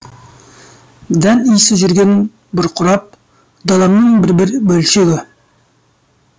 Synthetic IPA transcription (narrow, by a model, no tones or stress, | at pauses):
d̪ænijsɪʒʏɾɡʲen | bʊɾqʰʊɾɑp̚ | d̪ɑlˠɑmnəɴbɪɾbɪɾbɵlʃeɡʲɪ